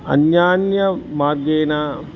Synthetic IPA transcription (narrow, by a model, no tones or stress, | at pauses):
ɐ̰njaːnjɐmaːrɡeːnaː